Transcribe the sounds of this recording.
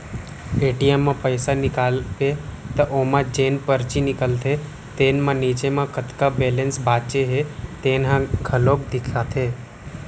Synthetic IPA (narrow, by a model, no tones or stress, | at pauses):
eːʈiemːãpəjsanɪkaːlpet̪əʔomãd͡ʒeːnpəɾt͡ʃinɪkəlt̪ʰe | t̪eːnmãniːt͡ʃemãkət̪kabeːlẽnsbaːt͡ʃeɦet̪eːnɦãɡʱəloːk̚d̪ɪkʰat̪ʰeː